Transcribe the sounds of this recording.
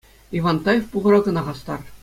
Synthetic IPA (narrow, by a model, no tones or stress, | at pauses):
iʋɑnt̪ɑjefpuʁɤ̆ɾɑɡɤ̆nɑʁɑst̪ɑ̰r